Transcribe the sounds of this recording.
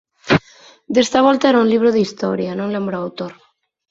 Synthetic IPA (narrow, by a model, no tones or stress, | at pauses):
d̪est̪aβ̞ɔlt̪aeɾauŋliβ̞ɾoðist̪ɔ̰ɾjanõŋlẽmbɾoawt̪oɾ